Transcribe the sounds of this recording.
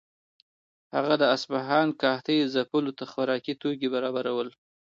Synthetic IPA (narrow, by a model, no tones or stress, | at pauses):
haɣad̪əasbaɦɑnkɑht̪əjzapəlot̪axwaɾɑkit̪oɡebaɾɑbaɾawəl